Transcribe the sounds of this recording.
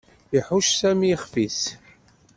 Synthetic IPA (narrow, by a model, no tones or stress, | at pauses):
iħuʃsæmiχfis